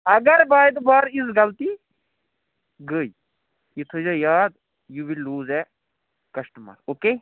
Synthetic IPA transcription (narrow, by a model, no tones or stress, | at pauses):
ɐɡɐɾbaːjd̪baːɾisɡɐlt̪i | ɡəːi | it̪ʰɨzɐjaːd̪̚ | juʋilːuːzɛ | kɐʃʈmɐ̰ɾoːkeː